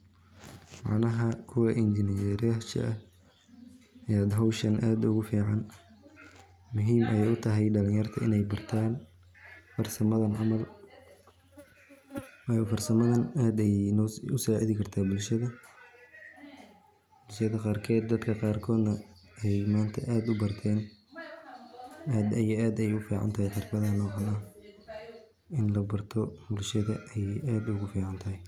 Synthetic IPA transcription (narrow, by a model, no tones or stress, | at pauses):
mɑ̰ʕnɐɦɐkʰʊwɐʔɪnd͡ʒɪnjɛɾɐʃɐ̰ʔɐh | ʔɐjaːd̪ɦɐwʃɐnʔaːd̪ʊɣʊfiːʕɑn | mʊɦiːmʔɐjɛjʊt̪ʰɐɦɛjɖɐlɪ̃ŋjɐrt̪ʰɐɪnɛjbɐrt̪ʰaːn | fɐrsɐmɐðɐnʕɑmɐl | wfɐrsɐmɐðɐnaːd̪ɛjnːʊsaːʕiðɪkʰɐrt̪ʰaːbʊlʃɐðɐ | b̥ʊlʃɐðɐqɑːrkʰɔːd̪̚ːɐd̪kʰɐqɑːrkʰɔːd̪nɐɛjmaːnt̪ʰɐ̰ʔaːd̪ʊbɐrt̪ʰɛːn | aːd̪ɛjaːd̪ɛjʊfiːʕɑ̰nt̪ʰɐɦɛjħʰɪrfɐðɐnɔːʕɑlɐ | ɪnlɐbɐrt̪ʰɔbʊlʃɐðɐʔɛjaːd̪ʊɣʊfiːʕɑnt̪ʰɐɦɛj